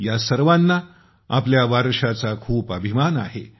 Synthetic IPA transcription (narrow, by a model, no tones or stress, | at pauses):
jasəɾʋanːa | a̰pljaʋaɾʂat͡sakʰuːpəbʱimana̰ɦe